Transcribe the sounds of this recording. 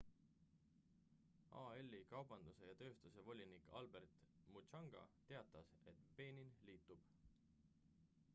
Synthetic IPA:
ɑ̰ːelːikɑwb̥ɑnd̪̥use̞jɑt̪ø̞ːst̪use̞vo̞lʲinikɑ̰lbe̞rt̪mut͡ʃɑŋɡ̥ɑ̰t̪e̞ɑt̪ːˑɑse̞t̪pe̞ːninliːt̪ˑːub̥

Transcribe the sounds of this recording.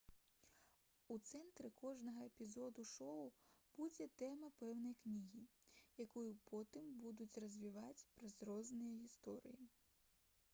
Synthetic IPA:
ut̪sɛnt̪ɾɪkɔʒnɔɦɔepʲizɔd̪ʊʃɔʊb̥udʲɛt̪ɛmɐpɛwnɔjknʲiɦʲijɐkɔjʊpʰɔt̪ɪmbud̪ʊtʲrɐzʲʋʲiʋɑtʲpɾɐzɾɔznɪjɛist̪ɔɾʲḭji

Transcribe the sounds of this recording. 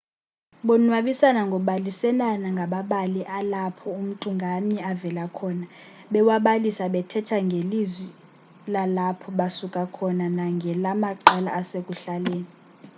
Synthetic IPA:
ɓɔnwaɓisanaŋɡʱɔɓalisɛlanaŋɡʱaɓaɓaliʔalapʰɔum̩ǀʼuŋɡʱamɛavɛlakʰɔːna | ɓɛwaɓalisaɓɛtʰɛtʰaŋɡʱelizwi | lalapʰɔɓasukʼakʰɔnanaŋɡʱɛlamaǃɛla̰ʔːsekʼuɬaleːni

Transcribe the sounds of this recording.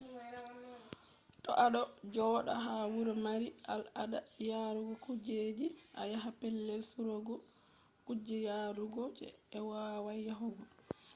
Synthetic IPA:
tɔʔaɗɔd͡ʒɔːɗa̰ɦawuɾɔmaɾiʔalaɗajaɾuɡɔkud͡ʒed͡ʒiʔa̰jaɦapɛlːɛlsuɾɔɡɔ | kud͡ʒɛjaːɾuɡɔd͡ʒɛ̰ːwawajːaɦɔɡɔ

